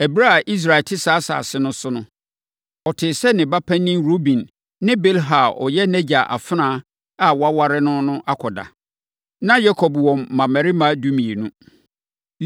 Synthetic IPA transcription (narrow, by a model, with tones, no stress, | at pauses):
æ˨bi˦ɾa˦a˨ʔi˦s̬ɾa˨ɛ˨tʰɪ˦saː˨˦sa̰ː˨sɪ˦nʊ̃˦sʊ˦nʊ̃˦ | ɔ˨tʰɪ˨sɛ˦nɪ̃˨ba˦pʰæ̃˦nĩ˦mɾo˦bĩ˨n | nɪ̃˦be˦lɦa˨ɔ̰˨jɛ˦næ˦d͡ʑa˨ʔa̰˨fɪ˦nãː˦ | a˨wɔ˦a˦wa˦ɾɪ˦nʊ̃˦nʊ̃˦ʔa˦kʰɔ˨da̰˨ | nã˦ja˦kʰɔ˨bwɔ̃˨mːã˨mæ˨ɾi˦mã˦du˦mĩ˨e˨nʊ̃˦